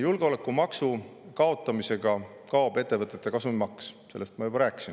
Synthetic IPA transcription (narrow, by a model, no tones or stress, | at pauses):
julɡ̥eo̞le̞kːˑumɑksukɑo̞t̪ˑːɑmise̞ɡ̥ɑ | kɑob̥e̞t̪ːe̞vɤt̪ːˑe̞t̪ːˑe̞kɑsumimɑksse̞lːest̪mɑjubɑɾæːkːˑi̥sin